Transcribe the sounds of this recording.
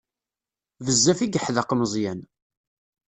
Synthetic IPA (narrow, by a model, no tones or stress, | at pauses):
vəzːæfiɡəħðɑqːməzˤjæn